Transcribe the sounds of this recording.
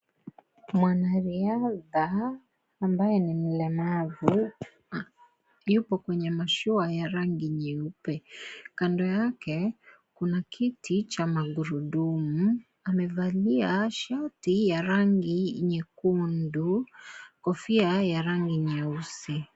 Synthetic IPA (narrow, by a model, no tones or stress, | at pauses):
mwanaɾiaðaː | mbajɛnim̩lɛmavu | jupɔkwɛɲɛmaʃuajaɾaŋɡiɲɛupɛkandɔjakɛ | kunakʰitʰit͡ʃamaɡuɾuɗumu | amɛvaliaʃatijaɾaŋɡiiɲɛkundukɔfiajaɾaŋɡiɲɛusi